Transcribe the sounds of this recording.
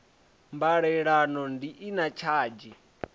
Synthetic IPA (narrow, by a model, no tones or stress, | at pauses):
mbaɺɛɺanɔndiʔinat͡ʃʰaːd͡ʒi